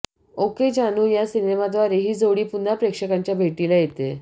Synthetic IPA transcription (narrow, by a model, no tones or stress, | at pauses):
oked͡ʑanuːjasinemad̪ʋaɾeɦiːd͡zoʋɽiːpunapɾekʂəkaɲt͡ɕjabʱeʈiːlajet̪e